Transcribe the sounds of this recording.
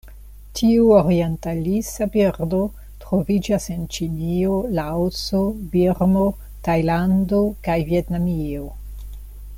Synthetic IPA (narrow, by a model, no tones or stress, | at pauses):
tʰiuoɾie̞ntalisabiɾdo̞ | tɾo̞vid͡ʒase̞nt͡ʃinio̞laosobiɾmo̞ | tajlando̞kajvie̞tnamio̞